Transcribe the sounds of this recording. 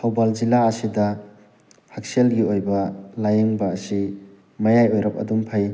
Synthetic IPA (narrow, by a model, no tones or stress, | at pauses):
tʰowbald͡ʒilaɐsidɐ | hɐk̚selɡiojbɐlajeŋbɐːsi | mɐjajojɾɐk̚ɐ̰dumpʰɐj